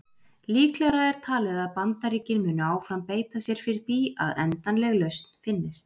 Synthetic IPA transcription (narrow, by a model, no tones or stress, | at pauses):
liːklɛɣɾaɛɾ̥t̪ʰaːlɪðaðpant̪aɾiːcɪnmʏːnʏaːwfɾampeːjt̪asjɛɾ̥fɪɾɪɾ̥θia̰ðɛ̰nt̪anlɛɣlœɥst̪n̥fɪnːɪst̪